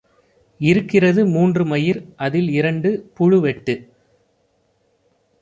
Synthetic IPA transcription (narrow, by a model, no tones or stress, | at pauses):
ɪɾɯkːɪrɐðɯmuːndrɯmɐjɪɾʔɐðɪlɪɾɐɳɖɯpʊɻɯʋɛʈːɯ